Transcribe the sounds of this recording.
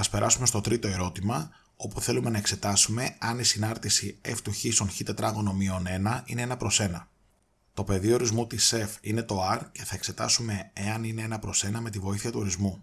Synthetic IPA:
ɐspe̞ɾʔɐsume̞st̪ot̪ɾit̪o̞e̞ɾo̞t̪imɐ | o̞puθe̞lumenɐekse̞t̪ɐsume̞ɐnisinɐɾt̪isie̞̰ft̪uçiso̞nçit̪e̞t̪ɾɐɣo̞no̞mio̞ne̞nɐineenɐpɾo̞se̞nɐ | t̪o̞pe̞ðio̞ɾizmut̪ise̞fine̞t̪o̞ɐɾce̞θɐe̞kse̞t̪ɐ̰sume̞eɐnine̞e̞nɐpɾo̞se̞nɐme̞t̪ivo̞iθiɐt̪uo̞ɾizmu

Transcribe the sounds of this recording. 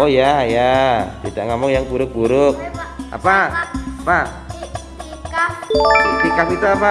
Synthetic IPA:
ojajat̪id̪aʔŋamʊŋjaŋbuɾʊk̚b̥uɾʊk̚ʔa̰paapa | sikapit̪uapa

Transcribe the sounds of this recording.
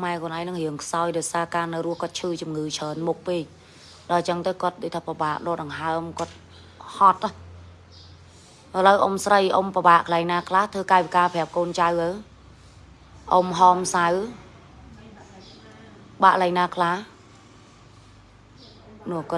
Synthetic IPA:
kʰmaɛkʰɔənʔaːɛjŋnɨŋhiəŋkʰsaɔjɗaɔjsaːkaːnɨwruəhkŏət̪̚t͡ɕʰɨːt͡ɕumŋɨːt͡ɕʰəːnmuk̚peːc̚ | ɗɑlt͡ɕəŋt̪əwkŏət̪̚ɗoːc̚t̪ʰaːprəɓaːʔɗoːɗɑŋɦaəmkŏət̪̚ | hɑt̪̚ːɔh | ʔələwʔomsrəjʔompəɓaːʔkəlaɛjŋnaːkʰlaht̪ʰəːkaːʋikaːpʰɛ̆əp̚koːnt͡ɕawʔəw | ʔomɦɑːmsaw | ɓaʔlaɛjŋnaːkʰlah | nʊəhk

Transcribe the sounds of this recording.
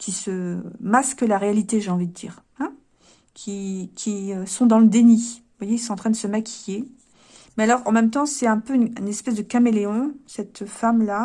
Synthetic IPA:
kʲʰisəmaskəlaʁealit̪eʒeɑ̃vid̪əd̪ḭːʁ | ɛ̃ | kʲʰikʲʰiøsɔ̃d̪ɑ̃ləd̪eni | vwajeils̬ɔ̃ɑ̃t̪χɛ̃d̪əsəmakʲʰije | mɛalɔʁɑ̰̃mɛmt̪ɑ̃sɛɛ̃pøynynɛspɛsd̪əkameleɔ̃sɛt̪famla

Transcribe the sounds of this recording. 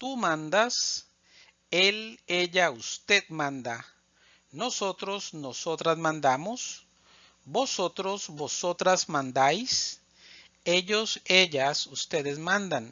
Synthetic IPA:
t̪umãnd̪as | eleʎaust̪ed̪mãnd̪a | nosot̪ɾosnosot̪ɾasmãnd̪amos | bosot̪ɾosbosot̪ɾasmãnd̪ajs | eʎoseʎasust̪eðesmãnd̪an

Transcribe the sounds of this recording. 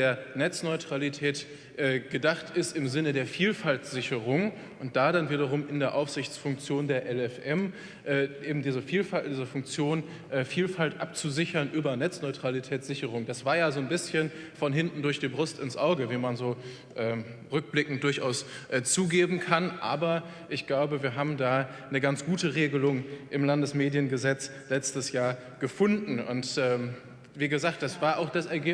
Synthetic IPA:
deːɐnɛt͡snɔʏtʁ̥alitʰɛːt | ʔɛːɡ̥ədaχtɪstɪmzɪnədeːɐfiːlfaltz̥ɪçəʁʊŋ | ʔʊnt̚d̥aːdanviːɾɐʁ̞ʊmʔɪndeːɐʔaʊfz̥ɪçt͡sfʊŋk̚t͡sjoːndeːɐʔɛlɛfʔɛm | ʔɛːʔeːbm̩diːzəfiːlfadiːzəfʊŋk̚t͡sjoːn | ʔɛːfiːlfaltʔap̚t͡suzɪçɐnʔyːbɐnɛt͡snɔʏtʁ̥alitʰɛːtz̥ɪçəʁʊŋd̥asv̥aːɐjaːzoːnbɪsçən | fɔnɦɪntn̩dʊɐçd̥iːbʁʊstɪnsʔaʊɡəviːmanzoː | ʔɛːmʁʏk̚b̥lɪkŋ̩t̚d̥ʊɐçʔa̰ʊsʔːt͡suːɡeːbm̩kʰanʔa̰ːbɐ | ʔɪçɡ̥laʊbəviːɐɦaːbm̩daːnəɡant͡sɡ̥uːtəʁeːɡəlʊŋʔɪmlandəsmeːdjənɡəzɛt͡s | lɛt͡stəsjaːɐ | ɡ̥əfʊndn̩ʊ̰ntʔɛːm | viːɡəzaːkt̚d̥asv̥aːɐʔaʊxd̥asɛɐɡeː

